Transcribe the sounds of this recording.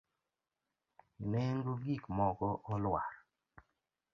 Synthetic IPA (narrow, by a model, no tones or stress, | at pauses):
lɛŋɡuɡikmɔɡɔʔɔlwaɾ